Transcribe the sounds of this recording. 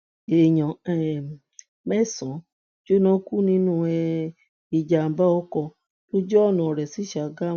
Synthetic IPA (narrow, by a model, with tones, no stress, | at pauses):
e˨ɲɔ̃˨ɛ˦˨ | mɛ˦˨sɔ̃˨˦ | d͡ʒo˦nɔ̃˦ku˦nĩ˦nũ˦ɛ˧ | i˨d͡ʒa˨m̩˨ba˦ɔ˦kɔ˧ | to˦d͡ʒɔ˦ɔ˦˨nã˨ɔ˨ɾɛ˨si˨˦ʃa˨˧ɡa˦